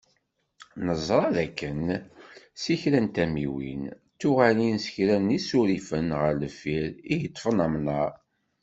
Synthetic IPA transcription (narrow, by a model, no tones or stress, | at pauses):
nəzˤɾˤɑðækːən | siçɾænt̪æmiwḭn | t̪ːuʁælinsə̥çɾænisuɾifənʁəɾləfiɾijət̪ˤːfənəmnɑ